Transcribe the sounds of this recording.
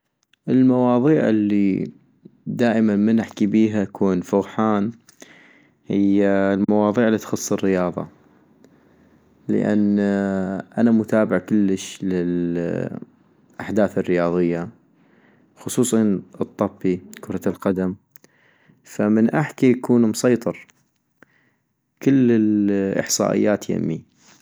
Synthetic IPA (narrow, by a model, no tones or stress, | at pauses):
ʔɪlmɑwɑːðˤiːʕɪ̰lːi | d̪aːʔɪmanmənʔaħkibiːɦaʔakʰuːnfʊɣħaːn | hɪjːalmɑwɑːðˤiːʕɪlːiːt̪xʊsˤːɪrːɪjɑːðˤɑ̰ | lə̰ʔa̰nː | ʔanamʊt̪aːbɪʕkʊlːəʃlɪl | ʔaħd̪aːθɪrːɪjɑːðˤɨjːa | xʊsˤuːsˤɑnɨt̪ˤːɑbːikʊɾˤɑlqad̪am | famənʔaħkijakuːnmʊsˤɑjt̪ˤɨɾ | kəlːɪlʔɪ̰ħsˤɑ̰ːʔɪ̰jːaːt̪ja̰mːi